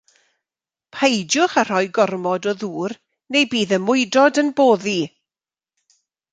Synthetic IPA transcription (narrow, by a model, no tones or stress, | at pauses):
pʰajd͡ʒjʊχar̥ɔjɡɔrmɔdɔðuːr | nejbiːðəmʊɨdɔdənboːði